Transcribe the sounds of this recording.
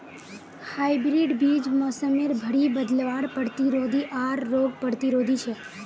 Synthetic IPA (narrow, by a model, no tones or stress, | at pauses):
haibɾiɖbid͡ʒmɔsəmeɾbʱəɽibəd̪lʋaɽpəɽt̪iɾod̪ʱiʔaɾːoɡpəɽt̪iɾod̪ʱit͡ʃʰe